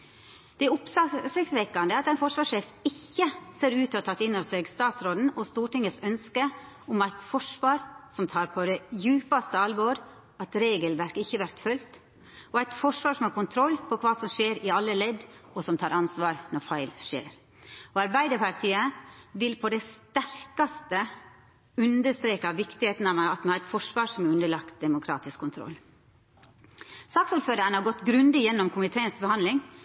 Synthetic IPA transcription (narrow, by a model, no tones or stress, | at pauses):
d̪̥ɛʊpssɛksʋekɑnd̪əɑt̪æɪnfɔʂʋɑːʂeːfɪçːəseːɾʉːt̪ɔt̪ʰɑt̪ːɪnːɔseɡst̪ɑːt̪sɾoːd̪n̩ɔst̪uːʈɪŋəsœnskə | ʊmæɪt̪fɔʂʋɑːɾsɔmt̪ʰɑːɾpʰɔd̪ɛjʉːpɑst̪əɑlʋɔɾ | ɑt̪ɾeːɡəlʋæɾkɪçːəʋæɾt̪fœlt̪ | ʔɔæɪt̪fɔʂʋɑːɾʂɔmhɑɾkʊnt̪ʰɾɔlːpʰɔkʰʋɑːsɔmʂeːɾɪɑlːəlɛd̪ɔsɔmt̪ʰɑːɾɑnsʋɑːɾnɔɾfɑɪlʂḛːɾ | ɔɑɾbæɪd̪əpɑɾt̪ʰiːəʋɪlpʰɔd̪ɛst̪æɾkɑst̪ə | ʉnd̪əst̪ɾeːkɑʋɪkt̪ɪheːt̪n̩ɑʋɑt̪mɛhɑɾɛɪt̪fɔʂʋɑːɾsɔmɛɾʉnd̪əɭɑkt̪̚d̪ɛmʊkʰɾɑ̰ːt̪ɪskʰːʊnt̪ʰɾɔ̰lː | sɑːksuːɾføːɾəɾnhɑɾɡɔt̪ːɡɾʉnd̪ɪjɛnːɔmkʰʊmɪt̪ʰeːənsbəhɑnlɪŋ